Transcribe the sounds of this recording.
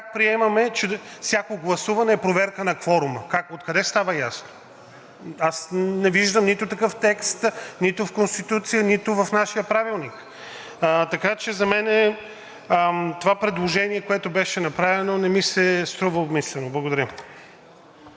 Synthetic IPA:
kak̚pɾiɛmɐmɛt͡ʃɛfsʲjakoɡlˠɐsuvɐnɛːpɾovɛɾkənɐkvɔɾʊməkakot̪kɐd̪ɛst̪avəjasno̥ | asnɛviʒd̪əmnit̪ʊt̪ɐkɤft̪ɛkst̪nit̪ʊfkonst̪it̪ut̪sijənit̪ʊvɐfnaʃijəpɾavilˠnik | t̪ɐkat͡ʃɛzɐmɛnɛ | t̪ovapɾɛd̪lˠoʒɛniɛkoɛt̪ʊbɛʃɛnɐpɾavɛnonɛmisɛst̪ɾuvəobmislɛnoblˠɐɡod̪ɐɾʲə

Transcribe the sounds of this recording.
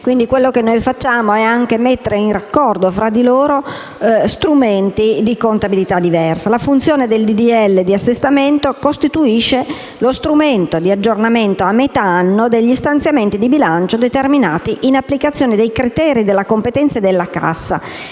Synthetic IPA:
kwind̪ikwelːokenːojfat͡ʃːaːmoɛaŋkemet̪ːeɾeinrakːɔrd̪ofɾad̪ːiloːɾo | st̪ɾument̪id̪ikont̪abilit̪ad̪ːivɛrsalafunt̪sjoːned̪eld̪id̪iɛlːed̪iasːest̪ament̪okost̪it̪uiʃːe | lost̪ɾument̪od̪iad͡ʒːornament̪oamːet̪aanːod̪eʎːist̪ant̪sjament̪id̪ibilant͡ʃod̪et̪erminaːt̪iʔinapːlikat̪sːjoːned̪ejkɾit̪ɛːɾid̪elːakompet̪ɛnt̪saed̪elːaka̰sːa̰

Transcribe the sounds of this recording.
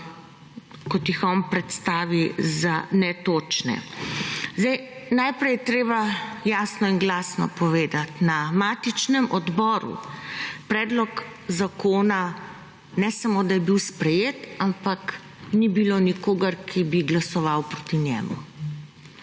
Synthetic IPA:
kɔt̪jixɔnpɾɛt̪st̪aːʋizanɛt̪oːt͡ʃnɛ̰ | zd̪ɛjnajpɾɛjɛt̪ɾeːbajaːsnɔinɡlaːsnɔ̰pɔʋeːd̪at̪namaːt̪it͡ʃnɛmʔɔd̪bɔːɾṵpɾɛːd̪lɔk | zakoːna | nɛsamoːd̪ajɛbiwspɾɛjeːt̪ampak | nibilonikoːɡəɾkʰibiɡlasɔʋawpɾot̪injɛ̰ːmṵ

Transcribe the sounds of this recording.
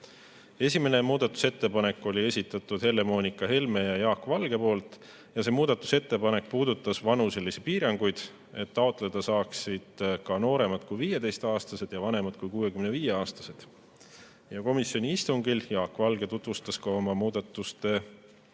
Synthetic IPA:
e̞sʲime̞ne̞muːd̪̥ɑt̪ːˑu̥se̞t̪ːe̞pɑne̞kːˑo̞lʲie̞sʲit̪ːˑɑt̪ːˑud̪̥he̞lːe̞mo̞ːnʲikːˑɑhe̞lme̞jɑjɑːkːvɑlɡ̥e̞po̞ːlt̪ˑ | jɑse̞ːmuːd̪̥ɑt̪ːˑu̥se̞t̪ːe̞pɑne̞k̚puːd̪̥ut̪ːˑɑsvɑnuse̞lːisipiːɾɑŋɡ̥ujd̪̥ | e̞t̪ːɑo̞t̪ˑle̞d̪̥ɑsɑːksid̪̥kɑno̞ːɾe̞mɑt̪kujvije̞t̪e̞jst̪ɑːst̪ɑse̞d̪̥jɑvɑne̞mɑt̪̚kujkuːwe̞kymne̞viːje̞ɑːst̪ɑ̥se̞d̪̥ | jɑko̞misjo̞nʲiist̪uŋɡ̥iljɑːkːˑvɑlɡe̞t̪ut̪vust̪ɑskɑo̞mɑmuːd̪ɑt̪ːˑust̪e̞

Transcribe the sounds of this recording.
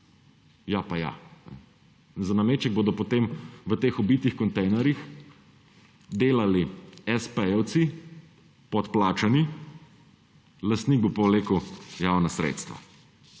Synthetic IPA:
japaja̰nɛ̰ | nzanameːt͡ʃɛɡ̚boːd̪ɔpɔt̪eːmʋət̪eːxɔbit̪ixkɔnt̪ɛjnɛɾjix | d̪eːlaliɛspɛjɛwt̪si | pɔt̪plaːt͡ʃani | lɐst̪niɡ̚bopɔleːkəwjaːwnasɾḛːt̪st̪ʋa̰

